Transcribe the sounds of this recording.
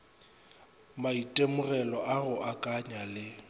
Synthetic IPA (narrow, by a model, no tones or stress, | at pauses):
maitʼemʊɣɛlɔʔaɣʊʔakʼaɲalɪ